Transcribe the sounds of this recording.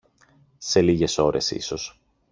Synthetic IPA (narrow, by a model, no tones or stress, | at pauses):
se̞liʝe̞so̞ɾʔe̞sḭso̞s